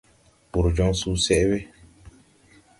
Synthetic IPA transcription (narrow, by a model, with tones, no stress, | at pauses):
pu˨ɾd͡ʒɔ˦ŋsu˦sɛ˦ʔbe˦